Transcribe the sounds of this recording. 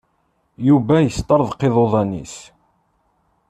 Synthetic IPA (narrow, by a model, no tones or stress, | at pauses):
juvæjəst̪ːɑɾˤðqːeðˤoðˤɑnḭs